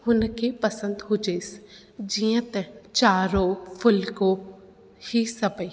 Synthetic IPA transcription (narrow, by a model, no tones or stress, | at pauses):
hʊnkepəsə̃nd̪ɦʊd͡ʒeːs | d͡ʒĩjə̃t̪ɛt͡ʃaːɾofʰʊlko | hisɐbəi